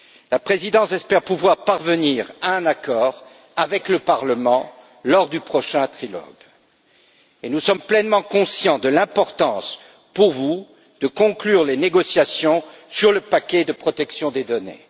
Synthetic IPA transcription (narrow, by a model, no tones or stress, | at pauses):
lapχezid̪ɑ̃sɛspɛʁpuvwaʁpaʁvəniːʁaɛ̃nakɔːʁ | avɛkləpaʁləmɑ̃ | lɔʁd̪ypχɔʃɛ̃t̪χilɔ̰ɡ | enusɔmplɛnmɑ̃kɔ̃sjɑ̃d̪əlɛ̃pɔʁt̪ɑ̃s | puʁvu | d̪̥əkɔ̃klyʁleneɡɔsjasjɔ̃ | syʁləpakʲɛd̪əpχɔt̪ɛksjɔ̃d̪ed̪ɔnḛ